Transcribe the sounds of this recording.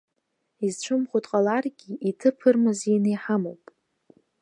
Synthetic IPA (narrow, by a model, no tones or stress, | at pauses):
izt͡ʃʷʰɨmχʷotʼqʼalarɡʲiitʰɨpʰɨrmɨzinejħamowpʼ